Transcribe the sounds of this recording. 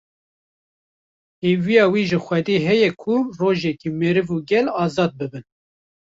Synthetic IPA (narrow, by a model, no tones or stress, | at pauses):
heːvijɑːwiːʒɨxʷwɛd̪eːɦɛjɛkʰuroːʒɛkiːmeɾɨvuɡɛlɑːzɑːd̪̚bɨbɨn